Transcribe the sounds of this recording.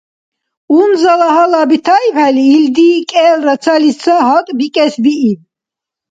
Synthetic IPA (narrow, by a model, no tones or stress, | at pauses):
unzalaɦalabit̪ʰaipɛliːld̪ikʼɛːlɾasʰalissʰaɦɔt̪ʼbikʼɛsbiin